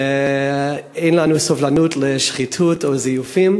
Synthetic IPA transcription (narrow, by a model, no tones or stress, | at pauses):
eɪnlˠanuːsɔvlˠanuːtlɪʃχitʰutʰoɪzijufim